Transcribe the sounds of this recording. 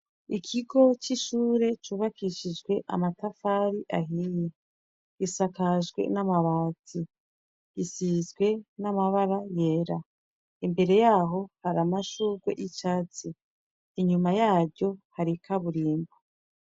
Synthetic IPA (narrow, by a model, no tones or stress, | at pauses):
ikʰiɡo̞t͡ʃiʃuːɾe̞t͡ʃuβakiʃid͡ʒɡwe̞ʔa̰matafaɾiʔaɦiːje | isakaʒɡwe̞̰namaβaːzi | ɡisizɡwe̞namaβaɾaje̞ɾa | imbe̞ɾe̞jaːɦo̞haɾamaʃuɡwe̞̰ʔit͡ʃaːt͡siː | ɲumajaːɾɟo̞haɾikʰaβuɾiːmbo